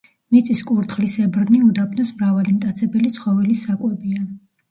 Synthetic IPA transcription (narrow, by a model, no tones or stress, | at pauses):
mit̪sʼiskʼuɾt̪χlisɛbɾniud̪apʰnɔsmɾavalimt̪ʼat̪sʰɛbɛlit̪sʰχɔvɛlisakʼwɛbia